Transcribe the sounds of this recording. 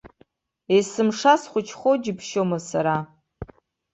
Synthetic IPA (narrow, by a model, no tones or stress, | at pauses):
esɨmʂasχʷʊt͡ʃʰχʷod͡ʒɪpʰʃomasaɾa